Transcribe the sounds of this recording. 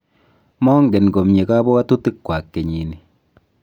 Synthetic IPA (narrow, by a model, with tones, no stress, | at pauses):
mɔ˦ŋɡe˨nɡo˨mɲe˨ka˦bɔ˦a˦tu˦tɪ˦kːwa˨kːe˨ɲi˨ni˨